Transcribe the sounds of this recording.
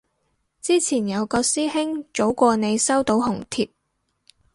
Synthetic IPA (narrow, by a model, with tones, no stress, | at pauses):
t͡siː˥t͡sʰiː˨˩njɐ˨˧wkɔː˧siː˥hɪ˥ŋt͡ʃo˨˥wkʷɔː˧ne˨˧jsɐ˥wt̪o˨˥wɦʊ˨˩ŋt̪ʰiː˧p̚